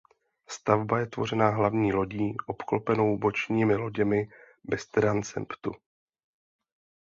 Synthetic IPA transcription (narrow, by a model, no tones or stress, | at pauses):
st̪avbajɛt̪vo̞̰r̝ɛnaɦlavɲiːlo̞ɟiːʔo̞pklopɛno̞wbo̞t͡ʃɲiːmɪlo̞ɟɛmɪ | bɛst̪ɾant͡sɛ̰mpt̪u